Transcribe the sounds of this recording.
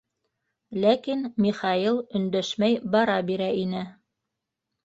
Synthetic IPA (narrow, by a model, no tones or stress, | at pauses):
lækinmiχɑilˠɵ̆nd̪æʃmæjbɑɾɑbiɾæinɘ